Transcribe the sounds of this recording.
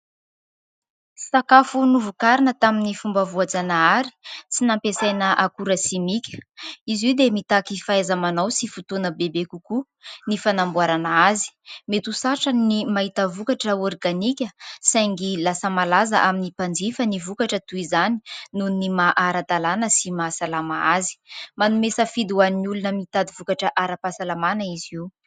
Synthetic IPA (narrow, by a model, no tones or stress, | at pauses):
sakafunuvukaɾinət̪aminifumbavuad͡zanaaɾi̥t͡sinampesajnəʔakuɾəsimikʲə̥iziwd̪emit̪akifaezamanawsifut̪onəbebekuku | nifanambwaɾanaazi̥met̪usaʈ͡ʂanimaɦit̪əvukaʈ͡ʂəorɡanikʲəsajŋɡilasəmalazə̰ʔaminipand͡zifənivukaʈ͡ʂət̪uizani̥nunimaʔaɾad̪alanəsimasalamaazi̥manumesəfid̪uaniniulunəmit̪ad̪ivukaʈ͡ʂəʔaɾapasalamanəiziw